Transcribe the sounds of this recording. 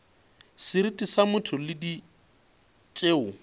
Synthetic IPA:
sɪɾitʼisamʊtʰʊlɪdi | t͡ʃʼeːʊ

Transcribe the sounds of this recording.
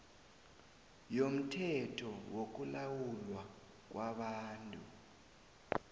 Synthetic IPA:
jom̩tʰɛtʰɔwok̬ulawulwa | k̬ʼwaɓaːntʼu

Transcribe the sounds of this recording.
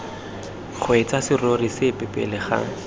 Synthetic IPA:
k͡xʰwet͡sasɪrorisɪpɛpɛ̰lɪχa̰ːŋ̩

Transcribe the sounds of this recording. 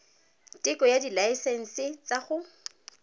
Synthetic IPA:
tʼɪkʼɔjadilaisɛn̩sɪt͡sʼaχʊ

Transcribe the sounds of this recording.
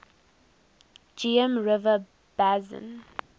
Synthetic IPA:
d͡ʒiə̃mɹɪvə | b̥azə̰̃n

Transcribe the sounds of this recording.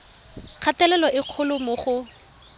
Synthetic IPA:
q͡χʰatɛlɛlɔʔɪq͡χʰʊlʊmʊχʊ

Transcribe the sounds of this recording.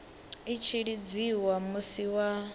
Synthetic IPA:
it͡ʃʰiɺid͡ziwamusiwa

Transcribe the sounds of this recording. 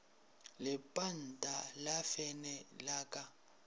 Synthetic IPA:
lɪpʼan̩tʼalafɛnɛlaːkʼa

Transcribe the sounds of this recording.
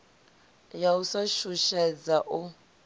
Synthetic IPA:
jausaʃuʃɛd͡zaʔu

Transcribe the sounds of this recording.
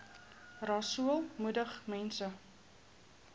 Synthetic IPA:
rɑsuəlˠmudəχmɛnsə

